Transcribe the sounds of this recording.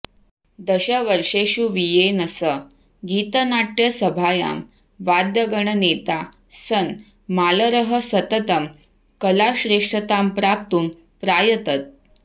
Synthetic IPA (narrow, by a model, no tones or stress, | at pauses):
d̪əɕəʋəɾʂeɕuʋijenəsə | ɡiːt̪ənaʈjəsəbʱaja̰m | ʋad̪jəɡəɳənet̪asən | maləɾəɦəsət̪ət̪əm | kəlaɕɾeʂʈət̪ampɾap̚t̪uːm | pɾajət̪ət̪̚